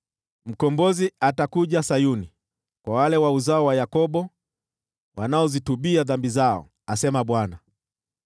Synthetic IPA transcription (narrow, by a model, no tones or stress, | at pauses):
m̩kɔmbɔziatakuʄasajuni | kwawalɛwauzaɔwajakɔɓɔ | wanaɔzituɓiaðambizaɔ̰ | asɛmaɓwana